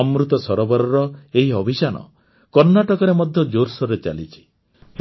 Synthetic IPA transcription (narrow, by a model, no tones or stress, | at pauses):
ɔmɾut̪ɔsɔɾɔbɔɾɔɾɔeɦiɔbʱit͡ʃanɔ̰ | kɔɾnaʈɔkɔɾemɔd̪ʱjɔd͡ʒoɾsɔɾet͡ʃa̰lit͡ʃʰi̥